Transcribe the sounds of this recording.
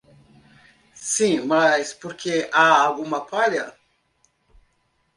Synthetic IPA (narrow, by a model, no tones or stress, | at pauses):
sĩmɐjspoɾkʰeʔaːwɡũmɐpaɾjɐ